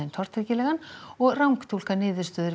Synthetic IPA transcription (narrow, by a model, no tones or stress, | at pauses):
ent̪ʰɔr̥t̪ʰɾɛcɪlɛːɣanɔɣrawŋkt̪ʰul̥kanɪːðʏɾ̥st̪œːðʏɾ